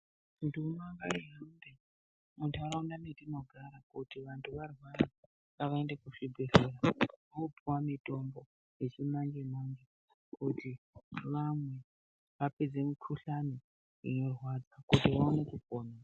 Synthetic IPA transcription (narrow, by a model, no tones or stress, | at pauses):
ndumaŋɡaiɦande | muntʰauɾaundanetino̞ɡʱaɾakutiʋantʰuʋarwaɾa | ŋɡaʋaende̞kuʂibʱeɬeɾaoupuwamito̞mbo | jet͡ʃimaɲd͡ʒemand͡ʒe | kuti | ʋamwe̞ | ʋaped͡zemikʰuɬano | inorwad͡zakutiʋaunekukoːnaa